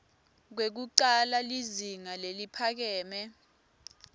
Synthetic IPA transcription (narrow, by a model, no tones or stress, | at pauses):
k̬wek̬uǃalaliziŋalelipʰak̬ɛːmɛ